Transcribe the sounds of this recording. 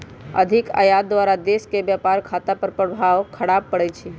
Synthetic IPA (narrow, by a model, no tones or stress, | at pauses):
ə̰d̪ʱika̰jad̪ʋaɾad̪eskebjapaɾkʰat̪apəɾpɾəbʱaʋkʰəɽab̚pəɽɛt͡ʃʰi